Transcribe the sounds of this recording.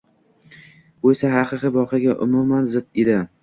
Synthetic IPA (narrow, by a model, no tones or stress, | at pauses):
bojsaɦaqɨqɨbɒqʰɑɡʲaʔʊmumanzɪd̪ed̪ɪ